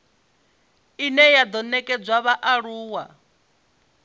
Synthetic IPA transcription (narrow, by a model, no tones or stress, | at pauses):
inɛjad̪ɔnɛkʼɛd͡zwaβaʔaɺuːwa